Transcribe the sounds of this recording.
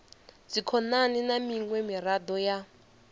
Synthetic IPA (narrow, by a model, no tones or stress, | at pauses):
d͡zikʰɔnaninamiŋwɛmiɾad̪ɔja